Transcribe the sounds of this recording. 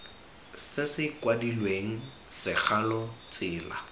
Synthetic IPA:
sɪsɪkwadilweŋ̩ | sɪk͡xʰalɔt͡sɪːla̰

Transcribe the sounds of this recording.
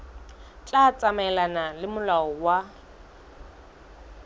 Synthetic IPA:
t͡ɬʼat͡sʼamɛlanalɪmʊlaɔwa

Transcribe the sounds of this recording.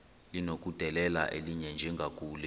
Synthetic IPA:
linok̬ʼud̥ʱɛlɛla̰ʔeliɲɛnd͡ʒʱɛŋɡʱak̬ʼuːlɛ

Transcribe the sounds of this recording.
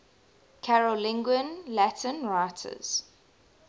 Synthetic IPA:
kʰaɹəlɪ̃ŋɡwə̃nlætʰə̃nɹaɪtʰə̰z̥

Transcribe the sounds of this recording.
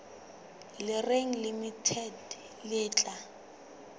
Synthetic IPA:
lɪreŋ̩limitʰɛd | lɪːt͡ɬʼa

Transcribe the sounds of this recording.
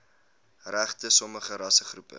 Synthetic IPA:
ræχtəsɔməχəɾɐsəχrupə̰

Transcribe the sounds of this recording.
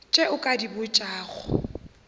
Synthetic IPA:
t͡ʃʼeʊkʼadibʊt͡ʃʼaːɣʊ̰

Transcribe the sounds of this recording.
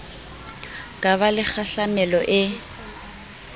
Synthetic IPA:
kʼaβalɪk͡xaɬamɛlɔʔɪ

